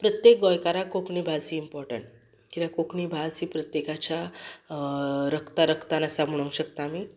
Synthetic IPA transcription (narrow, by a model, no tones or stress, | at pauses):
pɾət̪jek̚ɡɔjkaɾakokɳibʱasiːmpɔɾʈə̰ɳʈ | kit̪akokɳibʱaiːpɾət̪jekat͡ɕa | ɾəkt̪aɾəkʰt̪anəsam̤uɭə̃ŋɡɕəkt̪aːmiː